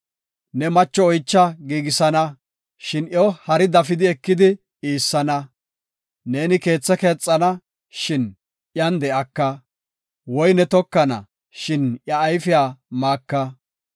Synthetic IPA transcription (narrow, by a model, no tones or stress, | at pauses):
nɛmɐt͡ʃːɔɔjt͡ʃːɐɡiːɡɪsɐnɐ | ʃɪnjɔhɐɾɪd̪ɐfɪd̪ɪɛkːɪd̪ɪ | iːsːɐnɐː | e̞ːnɪke̞ːt͡sːɛke̞ːt͡sʼːɐnɐ | ʃɪn | ʔjɐnd̪ɛʔɐkːɐ | wɔjnɛt̪ɔkːɐnɐ̰ | ʃɪnjɐːjfɪjaːmaːkːɐ